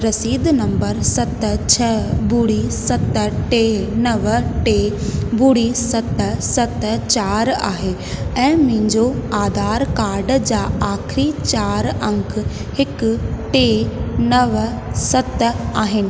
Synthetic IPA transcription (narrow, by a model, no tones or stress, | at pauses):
ɾɐsiːd̪nɐ̃mbəɾsɐt̪t͡ɕʰɐbuːɽisɐt̪ʈeːnɐʋʈeːbuːɽisɐt̪sɐt̪t͡ɕaːɾa̰ːɦe | ɛ̃ːmʊ̃ɦɪ̃ɲd͡ʑoaːd̪ʱaːɾkaːɾɖd͡ʑaːaːkʰɪɾit͡ɕaːɾɐ̃ŋkʰ | hɪkʈeːnɐʋsɐt̪aːɦɪnɪ̆